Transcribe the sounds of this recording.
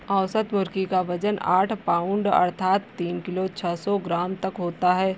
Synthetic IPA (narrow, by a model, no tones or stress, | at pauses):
ɐːsət̪mʊɾkikaʋɐd͡ʒəna̰ːʈʰpaːʊɳɖɐ̰ɾt̪ʰaːt̪ːiːnkɪlot͡ʃʰɛsɔɡɾaːmt̪ɐkɦoːt̪aɦɛː